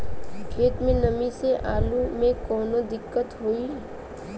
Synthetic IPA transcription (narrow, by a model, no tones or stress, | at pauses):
kʰeːt̪mẽnɐmiseʔaːlumẽkɔːnod̪ɪkːət̪ɦoi